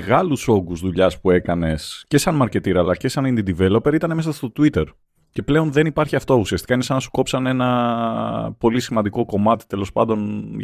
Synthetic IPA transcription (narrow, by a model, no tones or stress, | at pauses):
ɣɐluso̞ɡuzðuʎɐspue̞kɐne̞sce̞sɐnmɐɾce̞t̪iɾɐːlɐce̞sɐnind̪id̪ive̞lo̞pe̞ɾit̪ɐneme̞sɐst̪o̞t̪uit̪e̞ɾ | ce̞ple̞o̞nðe̞nipɐɾçiɐft̪o̞usiɐst̪i̥kɐinesɐnɐsu̥ko̞psɐne̞nɐ | po̞lisimɐnd̪iko̞ko̞mɐt̪i̥t̪e̞lo̞spɐnd̪o̞n